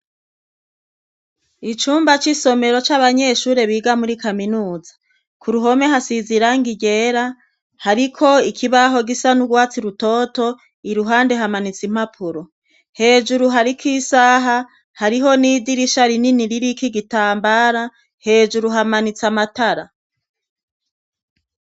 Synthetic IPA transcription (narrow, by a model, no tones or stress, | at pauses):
it͡ʃuːmbat͡ʃiso̞me̞ɾo̞t͡ʃaβaɲe̞ʃuːɾe̞βiːɡamuɾikaminuːzḁ | kʰuɾuɦo̞me̞ɦasiziɾaŋɡiɟe̞ːɾa | haɾikʰo̞ikʰiβaɦo̞ɡisanuɡwaːt͡siɾuto̞to̞ | iɾuɦaːnde̞ɦamanit͡sim̥apʰuɾo̞ | he̞ːd͡ʒuɾuɦaɾikiːsaɦa | haɾiɦo̞niːdiɾiʃaɾininiɾiɾikiɡitaːmbaɾa | he̞ːd͡ʒuɾuɦamanit͡samataɾa